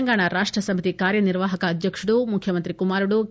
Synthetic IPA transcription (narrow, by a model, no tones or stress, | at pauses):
ŋɡaːɳɐɾaːʂʈɾɐsɐmit̪ikaːɾjɐniɾʋaːɦɐkɐːd̪ʱjɐkʂuɽumukʰjɐmɐnt̪ɾikumaːɾuɽu